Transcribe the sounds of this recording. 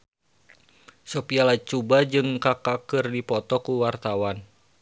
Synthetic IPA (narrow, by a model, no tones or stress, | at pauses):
sopialat͡ʃubad͡ʒɨŋkakakɨrdipɔt̪ɔkuwart̪awan